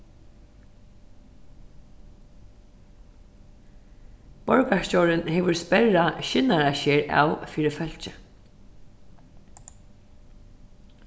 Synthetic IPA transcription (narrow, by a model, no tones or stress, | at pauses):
bɔɹkaʂcɔɹɪnhɛːʋʏɹspɛɻaʃɪnaɹaɕɛːɹa̰ːwfiːɾɪfœl̥t͡ʃɪ